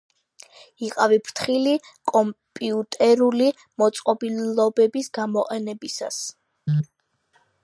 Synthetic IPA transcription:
iqʼavipʰɾt̪ʰχilikʼɔmpʼiut̪ʼɛɾuli | mɔt̪sʼqʼɔbilɔbɛbisɡamɔqʼɛnɛbisa̰s

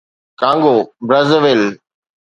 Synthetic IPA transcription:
kãːŋɡoːbɾɐzəʋɪl

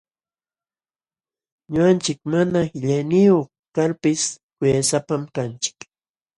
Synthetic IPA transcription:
ɲʊant͡ʃɪkmanahɪʎajnɪjoχ | kaɾpɪs | kʊjasapamkant͡ʃɪ̥k

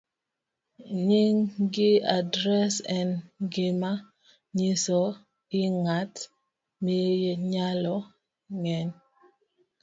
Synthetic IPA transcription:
ɲiŋɡɪadɾɛsɛnɡɪma | ɲisɔ | iŋat | mijeɲalɔ | ŋɛn

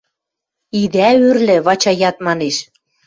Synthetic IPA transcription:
id̪æørlɘ̆βɑt͡ɕɑjɑt̪mɑneʃ

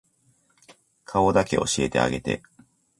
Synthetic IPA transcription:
kʰao̞d̪ake̞̰ʔo̞̰ɕie̞t̪e̞̰a̰ɡe̞t̪e̞̰

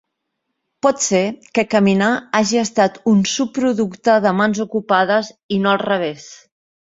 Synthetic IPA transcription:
pɔt̪sekəkəminaaʒiəst̪at̪unsupːɾuðukt̪əðəmanzukupaðəzinoəlˠrəβ̞es

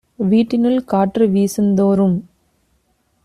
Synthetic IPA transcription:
ʋiːʈːɪnɯlkaːʈrɯʋiːsɯnd̪oːɾɯm

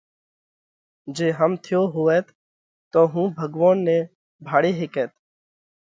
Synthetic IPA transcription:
d͡ʒeːɦəmt̪ʰɪjoːɦoːʋɛːt̪ | t̪oːɦũːbʱəɡʋaːnːẽː | bʱaːɽeːɦeːkɛːt̪

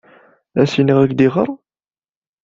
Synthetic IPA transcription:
æsinəʁæɡd̪iʁəɾˤ

